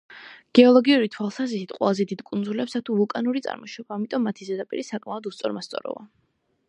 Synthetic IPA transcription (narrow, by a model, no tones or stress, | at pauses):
ɡ̥ɛɔlˠɔɡiuɾit̪ʰwalˠsazisit̪qʼwɛ̰lˠazɛd̪id̪̥kʼund̪zulɛpsat̪ʰuvukʼanuɾit̪sʼa̰ɾmɔʃɔbaːmit̪ʼɔmːat̪ʰizɛd̪apʼḭɾisakʼmaɔd̪ust̪sʼɔɾmast̪sʼɔ̰ɾɔ̰va̰